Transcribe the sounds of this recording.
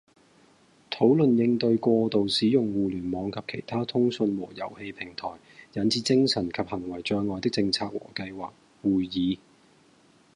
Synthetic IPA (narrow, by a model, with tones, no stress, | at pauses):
t̪ʰo˨˥wlɵ˨njɪ˧ŋt̪ɵ˧ɥkʷɔː˧t̪o˨wsiː˨˥jʊ˨ŋwuː˨˩lyː˨˩nmɔː˨˧ŋkʰɐ˨p̚kʰe˨˩jt̪ʰaː˥t̪ʰʊ˥ŋsɵ˧nwɔː˨˩jɐ̰˨˩whe˧jpʰɪ˨˩ŋt̪ʰɔː˨˩jjɐ˨˥nt͡sʰiː˨˥t͡sɪ˥ŋsɐ˨˩nkʰɐ˨p̚hɐ˨˩ŋwɐ˨˩jt͡ʃœː˧ŋɔː˨˧jt̪ɪ˥k̚t͡sɪ˧ŋt͡sʰaː˧k̚wɔ̰ː˨˩kɐ˧jwaː˨k̚ | wuː˨jjiː˨˧˦